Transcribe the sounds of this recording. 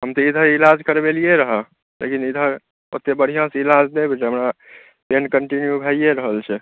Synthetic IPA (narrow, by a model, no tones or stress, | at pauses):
ɦəmt̪ɔid̪ʱə̃ilad͡ʒkəɾbelijeɾəɦə | lḛkinid̪ʱə̃ | o̰t̪ːebəɽ̤ijãsilad͡ʒd̪ebet͡ʃɦəmɾa | penkəɳʈinjubʱəijeɾəɦəlt͡ʃʰɛ